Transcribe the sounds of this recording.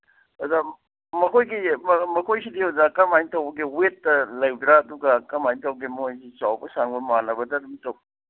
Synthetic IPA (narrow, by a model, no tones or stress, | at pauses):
ɐza | mɐkʰojɡimɐkʰojsidihawzakɐmajntɐwbɐɡiwetːɐlɐjbiɾaːduɡɐkɐmajntɐwɡimojsit͡ʃawbɐsaŋbɐmanɐbɐdɐɾumitɐw